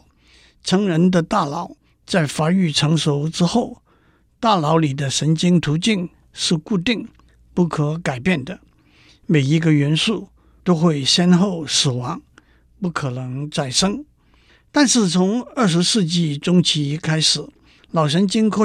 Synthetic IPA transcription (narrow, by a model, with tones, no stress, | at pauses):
ʈ͡ʂʰɤ˧˥ŋɻə˧˥nd̪ə˧t̪a˥˩lɑ˨˩˦ʊ | t͡sa˥˩ɪfa˧˥y˥˩ʈ͡ʂʰɤ˧˥ŋʂo˧˥ʊʈ͡ʂɻ̩˥xo˥˩ʊ | t̪a˥˩lɑ˧˥ʊli˨˩d̪ə˦ʂə˧˥nt͡ɕi˥ŋt̪ʰu˧˥t͡ɕi˥˧ŋ | ʂɻ̩˥˧ku˥˧t̪̬i˥˩˧ŋ | pu˥˩kʰɤ˧˥ka˨˩ɪpjɛ˥˩nd̪ə˩ | me˨˩ɪi˧˥ɡə˧ɥɛ˧˥nʂu˥˩ | t̪o˥ʊxwe˥˩ɪɕjɛ˥nxo˥˩ʊsɹ̩˨˩wɑ˧˥ŋ | pu˥˩kʰɤ˨˩nɤ˧˥ŋt͡sa˥˩ɪʂɤ˥ŋ | t̪a˥˧nʂɻ̩˥˩t͡sʰʊ˧˥ŋə˞˥˩ʂ̬ɻ̩˧˥ʂɹɻ̩˥˧t͡ɕi˥˩ʈ͡ʂʊ˥ŋt͡ɕʰi˧˥kʰa˥ɪʂɻ̩˨˩˦ | lɑ˨˩ʊʂ̬ə˧˥nt͡ɕi˥ŋxwe˥